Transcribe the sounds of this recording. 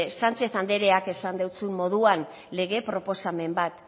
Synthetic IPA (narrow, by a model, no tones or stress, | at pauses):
sant͡ʃe̞θand̪e̞ɾe̞ake̞sand̪ewt͡sunmo̞ð̞uan | le̞ɣ̞e̞pɾo̞po̞same̞mbat̪